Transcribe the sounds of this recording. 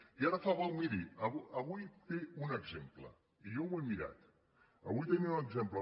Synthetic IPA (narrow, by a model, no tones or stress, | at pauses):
iaɾəfaβawmiɾiəβəβujt̪eunəɡzemplə̰ | iʎowemiɾa̰t̪ | əβujt̪eniunəɡzemplə